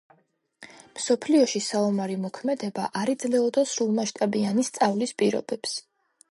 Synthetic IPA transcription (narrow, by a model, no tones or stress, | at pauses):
msɔpʰliɔʃisaumaɾimɔkʰmɛd̪ɛbaʔaɾid̪zlɛɔd̪asɾulˠmaʃt̪ʼabianist̪sʼavlispʼiɾɔ̰bɛps